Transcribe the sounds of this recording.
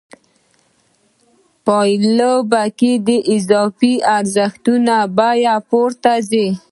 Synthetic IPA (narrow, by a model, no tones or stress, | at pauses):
pɑjlobakid̪əʔɪzɑfiaɾzəxt̪unabajapoɾt̪aze